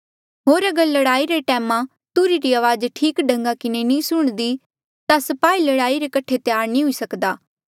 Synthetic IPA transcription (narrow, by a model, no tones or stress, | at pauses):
ɦoːɾɐɡəɾlɐɽaːiɾeʈɛːmã | t̪uɾiɾiaːʋaːd͡ʒʈʰiːkɖɐ̃ŋɡakɪnenĩːsʊɽ̃d̪i | t̪asɐpaːilɐɽaːiɾekɐʈʰet̪ɪjaːɾnĩɦʊisɐkd̪aː